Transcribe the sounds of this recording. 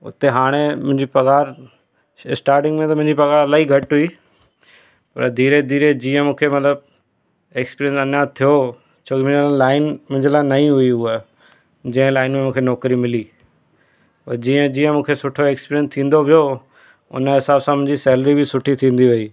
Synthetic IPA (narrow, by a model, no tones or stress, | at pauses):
ʊ̰t̪eɦaːɽ̃emʊ̃ɦɪ̃ɲd͡ʑipɐɣaːɾ | ɪsʈaːɾʈɪ̃ŋɡmẽt̪ɐmʊ̃ɦɪ̃ɲd͡ʑipɐɣaːɾɐlaːɦiɡʱɐʈɦʊiː | pɐ̰ɾd̪iːɾed̪iːɾed͡ʑĩːə̃mũːkʰemɐt̪ləb̚ | eːkspiːɾjə̃nsɐnjat̪ʰijo | t͡ɕʰoːkimʊ̃ɲd͡ʑəllaːɪnmʊ̃ɦɲd͡ʑəlaːɪnɐĩɦʊiɦʊə | d͡ʑɐ̃ɦɪ̃laːɪnmẽmũːkʰenɔːkɾimɪli | ɔːɾd͡ʑĩːə̃d͡ʑĩːə̃mũːkʰesʊʈʰoeːkspiːɾjə̃nst̪ʰĩːnd̪opijo | ʊ̰nəɦɪsaːbsãmʊ̃ɦɪ̃ɲd͡ʑisɛːləɾibɪsʊʈʰit̪ʰĩːn̆d̪iɦuiː